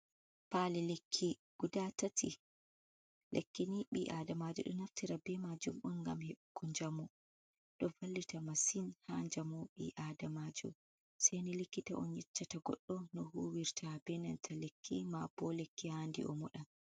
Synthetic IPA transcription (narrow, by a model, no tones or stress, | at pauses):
palilekʰːiɡ̥udatatʰi | lʔekːiniɓiʔadamad͡ʒɔ̰ɗɔ̰naftiɾabɛmad͡ʒumɓɔnɡa̰mheɓkːɔɲd͡ʒamɔ | ɗɔvalːitamasinhaɲd͡ʒamuɓḭʔadamad͡ʒɔ̰ | sajnilekːita̰ʔɔnjɛt͡ʃːataɡɔ̰ɗːɔnɔhuːwiɾtʰabɛnɛ̰ntʰalekʰːimab̥ɔlekːihaːndḭʔɔ̰mɔɗan